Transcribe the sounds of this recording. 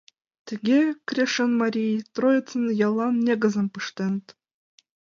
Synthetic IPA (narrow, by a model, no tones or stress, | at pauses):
t̪ʲɘ̆ɡʲekrʲeʃənmɑɾʲijt̪rojɪt̪t͡s̪ənjɑlˠːɑnːʲeɡə̆zə̆mpɯʂt̪ent̪